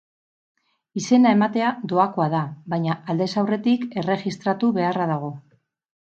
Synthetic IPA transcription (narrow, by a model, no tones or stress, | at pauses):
ise̞nae̞mat̪e̞ad̪o̞ako̞aðaβajɲaːld̪e̞sawre̞t̪ike̞re̞ʝist̪ɾat̪uβe̞araðaɣ̞o̞